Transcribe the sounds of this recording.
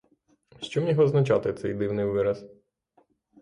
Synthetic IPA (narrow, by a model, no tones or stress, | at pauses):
ʃt͡ʃɔmnʲiɦɔznɐt͡ʃɑt̪ɪt̪sɛjd̪ɪwnɪjʋɪɾɐs